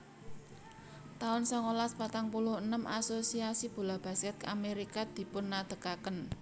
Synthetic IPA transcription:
t̪aʊnsɔŋolaspat̪aŋpulʊhənəmʔasosiasib̥ṳlab̥a̤skɛt̪̚kameɾikad̪̥i̤pʊnːad̪̥ə̤kakən

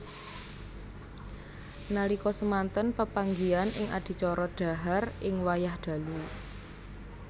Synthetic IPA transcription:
nalikɔsəmant̪ənpəpaŋɡianɪŋa̰d̥i̤t͡ʃɔɾɔɖ̥a̤ɦarʔɪŋwajahɖ̪̥ä̤lu

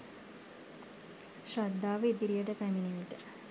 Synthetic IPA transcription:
ʃrad̪ːaːʋəid̪iɾijəʈəpæminiʋiʈə

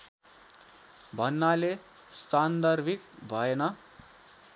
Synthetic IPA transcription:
bʱʌnːale | st͡sand̪ʌrbʱik̚bʱʌenʌ

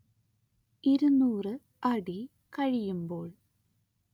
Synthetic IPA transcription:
iɾunuːrɨ | ɐɽi | kɐɻijumbo̞ːɭ

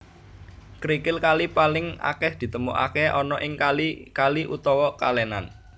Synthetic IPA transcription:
kɾikɪlkalipalɪŋa̰kɛhd̪̥i̤t̪əmuʔa̰keʔɔnɔʔɪŋkalikaliʔut̪ɔwɔkalɛnan

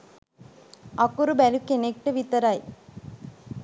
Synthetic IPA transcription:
ɐkːuɾubɛlukːenek̚ʈɐʋit̪ɐɾaːj

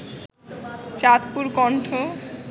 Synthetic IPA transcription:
t͡ɕat̪puɾkɔɳʈʰo

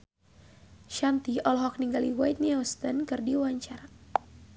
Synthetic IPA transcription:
ʃant̪iɔlɦɔk̚niŋɡaliwajt̪̚niast̪ənkɨrdiwaɲt͡ʃaɾa

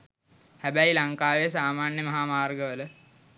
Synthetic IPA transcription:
hæbæjilaŋkaːʋes̬aːmaːnjəmɐɦaːmaːrɡəʋələ

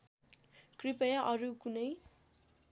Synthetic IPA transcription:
kripʌjaʔʌɾukunʌj

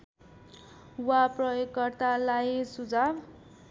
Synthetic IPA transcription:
waprʌjoɡkːʌrt̪alajsud͡zab

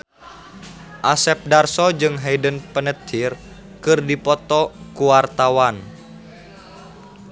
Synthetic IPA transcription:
ʔasɛp̚darsɔd͡ʒɨŋɦeidənpənət̪ʰir | kɨrdipɔt̪ɔkuwart̪awan

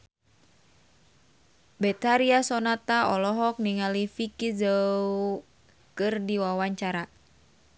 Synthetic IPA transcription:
bɛt̪aɾiasɔnat̪aɔlɔɦɔk̚niŋalifikizəw | kɨrdiwawaɲt͡ʃaɾa

